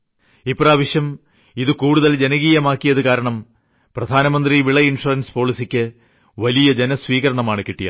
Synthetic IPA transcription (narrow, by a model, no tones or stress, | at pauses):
ipːraːʋɐʂjɐm | iðɨkuːɽuðɐld͡ʑe̞nɐɣiːjɐmaːkːijɐðɨkaːɾɐɳɐm | prɐd̪ʱaːnɐmɐnd̪riʋiɭɐinʂurɐnspo̞ːɭisikʲːɨ | ʋɐlijɐd͡ʑenɐsʋiːɣɐɾɐɳɐmaːɳɨkiʈːijɐ̰